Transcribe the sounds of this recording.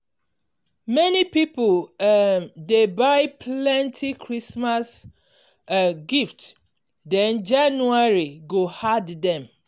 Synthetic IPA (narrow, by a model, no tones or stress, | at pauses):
mɛnipipol | debaɪpʰlɛ̃ntʰikʰɹismas | ɡift | dɛ̃nd͡ʒãnuaɹiɡohaddɛ̃m